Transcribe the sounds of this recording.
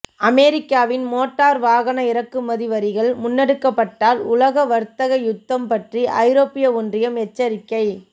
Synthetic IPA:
ɐmeːɾɪkːaːʋɪnmoːʈːaːɾʋaːɣɐnɐɪɾɐkːɯmɐðɪʋɐɾɪɣɐɭmʊnːɛɽɯkːɐpːɐʈːaːlʊlɐɣɐʋɐɾt̪ːɐɣɐjʊt̪ːɐmpɐʈriʔɐɪɾoːpːɪjɐɔndrɪjɐmɛt͡ʃːɐɾɪkːɐɪ

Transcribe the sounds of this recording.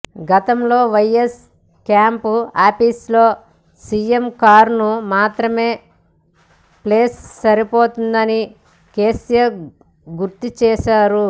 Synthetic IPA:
ɡɐt̪ɐmlo̞ːʋɐjes | kjaːmpuaːpislo̞ː | siemkaːɾnumaːt̪ɾɐme̞ː | pleːsːɐɾipo̞ːt̪und̪ɐni | keːsijɐ | ɡuɾt̪it͡ʃɛːʃaːɾu

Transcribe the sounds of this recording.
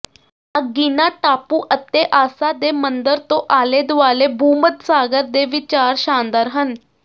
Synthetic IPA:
aɡiːnaʈaːpuːʔət̪ːeʔaːsad̪emənd̪əɾt̪õʔaːled̪ʊaːlebʱuːmət̪saːɡəɾd̪eʋɪt͡ʃaːɾʃaːnd̪aːɾɦən

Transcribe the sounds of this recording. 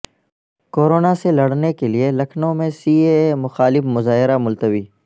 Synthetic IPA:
koːɾoːnaselɐɽnekelielɐkʰnõmẽsiːemʊxaːlɪfmʊzaːɦɪɾamʊlt̪əʋiː

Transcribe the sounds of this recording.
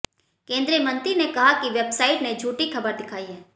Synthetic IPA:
kẽːnd̪ɾijəmɐ̃nt̪ɾinekɐɦakiʋeːbsaːɪʈned͡ʒʱuːʈikʰɐbəɾd̪ɪkʰaːiɦɛː

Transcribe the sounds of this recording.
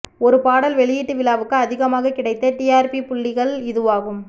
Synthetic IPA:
ɔɾɯpaːɽɐlʋɛɭɪjiːʈːɯʋɪlaːʋɯkːɯɐðɪɣɐmaːɣɐkɪɽɐɪt̪ːɐʈiːaːɾpipʊɭːɪɣɐɭɪðɯʋaːɣɯm

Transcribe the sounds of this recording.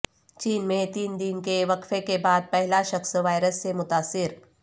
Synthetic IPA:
t͡ʃiːnmẽt̪iːnd̪ɪnkeʋɐkfekebaːd̪̚pɛɦlaʃɐxsʋaːɪɾəsːemʊt̪aːsːɪɾ

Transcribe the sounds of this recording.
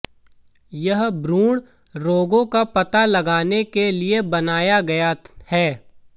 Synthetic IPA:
jɐɦbɾũːɽ | ɾoːɡõkapɐt̪alɐɡaːnekeliebɐnaːjaɡɐjahɛː

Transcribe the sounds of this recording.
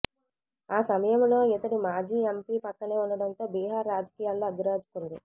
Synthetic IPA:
aːsɐmɐjɐmlo̞ːit̪ɐʈimaːd͡ʒiːempiːpɐkːɐne̞ːuɳɖɐɽɐnt̪o̞ːbiːɦaːɾːaːd͡ʒɐkiːjaːlːoːɐɡ̪uɾaːd͡ʒu̥kund̪i

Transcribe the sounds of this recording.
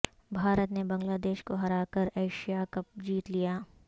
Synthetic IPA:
bʱaːɾət̪nebɐ̃ŋɡlaːd̪eːʃkoɦɐɾaːkəɾeːʃijakɐp̚d͡ʒiːt̪lijaː

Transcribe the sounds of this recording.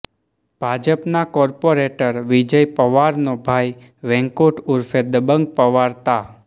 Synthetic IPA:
b̥ʱad͡ʒəpnakɔɾpoɾeʈəɾʋid͡ʒəjpəʋaɾnobʱaj | ʋɛ̃ŋkoʈuɾfed̪əbəŋɡ̚pəʋaɾt̪a

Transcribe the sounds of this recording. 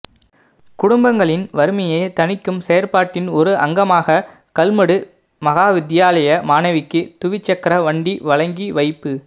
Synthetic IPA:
kʊɽʊmbɐŋɡɐɭɪnʋɐɾɯmɐjeːt̪ɐnɪkːɯmsɛjɐɾpaːʈːɪnɔɾɯʔɐŋɡɐmaːɣɐ | kɐlmɐɽɯ | mɐɣaːʋɪd̪ɪjaːlɐjɐmaːnɐʋɪkːɯt̪ʊʋɪt͡ʃːɐkːɾɐʋɐɳɖiʋɐɭɐŋɡiʋɐɪpːɯ

